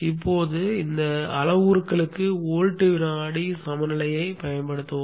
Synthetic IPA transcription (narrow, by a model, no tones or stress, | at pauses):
ɪpːoːðɯɪnd̪ɐɐlɐʋuːɾɯkːɐɭɯkːɯoːɻʈːɯʋɪnaːɽisɐmɐnɪlɐjɐɪpɐjɐnpɐɽɯt̪ːɯʋ